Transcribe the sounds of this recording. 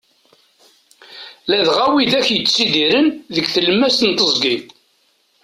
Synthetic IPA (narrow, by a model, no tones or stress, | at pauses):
læðʁæwiðæçjət͡sːsid̪iɾənðəɡθəlmːæsənt̪əzˤɡi